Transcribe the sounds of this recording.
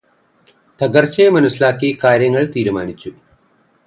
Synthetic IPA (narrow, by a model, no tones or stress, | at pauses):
t̪ɐɡɐɾt͡ʃeːmɐnuslaːkiːkaːɾjɐŋɡɐɭt̪iːɽɐmaːnit͡ʃːu